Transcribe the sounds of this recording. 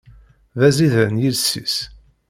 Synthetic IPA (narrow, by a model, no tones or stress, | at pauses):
ðæziðəɾənjilsḭs